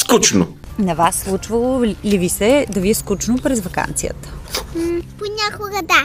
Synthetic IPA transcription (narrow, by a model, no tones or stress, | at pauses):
skut͡ʃno | nɐvasːlˠut͡ʃvɐlˠolivisɛd̪ɐviɛskut͡ʃnopɾɛzvɐka̰nt̪sijə̰t̪ə̥ | ponʲakoɡɐd̪a